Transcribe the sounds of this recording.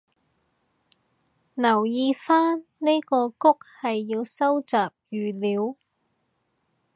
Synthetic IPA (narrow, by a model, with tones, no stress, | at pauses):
nɐ˨˩wjiː˧faː˥nne˥jkɔː˧kʊ˥k̚hɐ˨jːiː˧wsɐ˥wt͡saː˨p̚jyː˨liː˨˥w